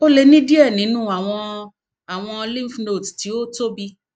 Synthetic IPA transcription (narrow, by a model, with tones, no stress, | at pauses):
o˦le˧nĩ˦di˦ɛ˦˨nĩ˨˦nũ˦a˨w̃ɔ̃˧ | a˨w̃ɔ̃˧lĩ˦fno˦˨tti˨˦o˦to˦bi˧